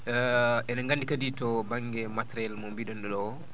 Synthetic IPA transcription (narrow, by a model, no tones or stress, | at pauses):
ɛnaŋɡandikaditɔbaŋɡɛmatɾɛlmɔmbiɗɔnɗɔɗɔwɔ